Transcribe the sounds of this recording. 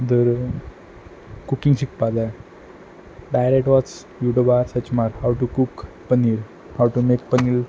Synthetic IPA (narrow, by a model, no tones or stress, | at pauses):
d̪əɾ | kukĩŋɡɕik̚pada | ɖajɾekʈʋɔt͡s | juʈobaɾsət͡ɕmaɾhawʈukuk | pənil | hawʈumek̚pənil